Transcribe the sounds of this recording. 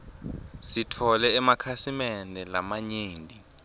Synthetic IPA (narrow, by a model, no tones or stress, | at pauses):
sitʰɔlɛːmakʰasimɛnʱɛlamaɲeːndʱi